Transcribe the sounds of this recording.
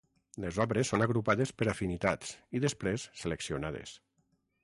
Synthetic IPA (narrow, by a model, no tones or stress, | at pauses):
lezɔβɾesːonaɣɾupaðespəɾafinit̪asiðespɾesːeleksionað̞ḛs